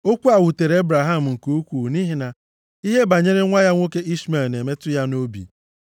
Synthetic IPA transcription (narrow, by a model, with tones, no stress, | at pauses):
o˦kʷu˦a˨wu˨te˨ɾe˦bɾa˨ɦa˦˨m̩˨ŋ̩˨ko˦kʷu˨ni˦ɦi˨na˨ | i˦ɦe˦ba˨ɲe˦ɾe˦ŋʷa˦ja˦ŋʷo˦ke˦ʔi˦sme˨lne˨me˦tʊ˦ja˦no˦bḭ˨